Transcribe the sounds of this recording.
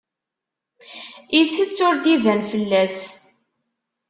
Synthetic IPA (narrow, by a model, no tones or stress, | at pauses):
isit͡sːʊɾd̪ivænfəlːæs